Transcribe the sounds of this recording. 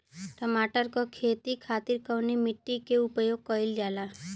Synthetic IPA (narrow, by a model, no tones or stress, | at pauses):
ʈəmaːʈəɾkokʰeːt̪ikʰaːt̪ɪɾkəʋnimɪʈːikeʊpjoːɡ̚kəɪld͡ʒaːla